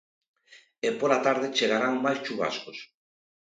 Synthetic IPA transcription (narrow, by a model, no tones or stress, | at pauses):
epolat̪aɾð̞et͡ʃeɣaɾaŋːajt͡ʃuβa̰skos